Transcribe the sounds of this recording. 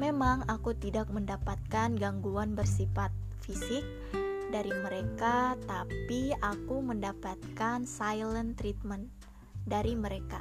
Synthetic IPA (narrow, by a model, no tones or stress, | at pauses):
memaŋakut̪idak̚məndapat̪̚kanɡaŋɡuanbərsifat̪̚ | fisɪk̚ | daɾiməɾekat̪apiakuməndapat̪̚kansajlənt̪ɾit̪̚mən | daɾiməɾeka